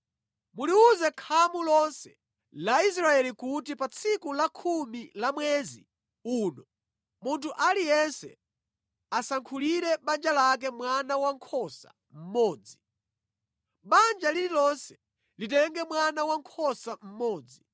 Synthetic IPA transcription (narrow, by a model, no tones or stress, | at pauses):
muliuzɛkʰamulɔnsɛ̥ | lais̬ɾaɛlikutipat͡sʰikulakʰumilamwɛzḭ | uːnɔ | muntʰuʔalijɛnsɛ̰ | asaŋkʰuliɾɛɓand͡ʒalak̬ɛmwanawaŋkʰɔsa̰ | m̩mɔːd͡zi | ɓand͡ʒalililɔnsɛ̥ | litɛŋɡɛmwanawaŋkʰɔsam̩mɔːd͡zi